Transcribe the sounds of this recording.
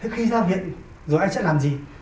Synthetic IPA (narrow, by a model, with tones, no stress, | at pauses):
t̪ʰe˨˦xi˧zɔː˧vḭ˧˨ən | zo˨˩jʔa˧jt͡ɕə̰˧˥laː˨˩mzi˨˩